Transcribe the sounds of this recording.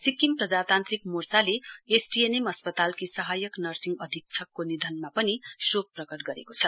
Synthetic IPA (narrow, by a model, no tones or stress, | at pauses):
sikːimprʌd͡zat̪ant̪rikmursaleesʈienemʌspʌt̪alkisʌɦajʌknʌrsiŋɡʌd̪ʱik̚t͡sʰʌkːonid̪ʱʌnmapʌnisok̚prʌkʌʈ̚ɡʌɾekot͡sʰʌ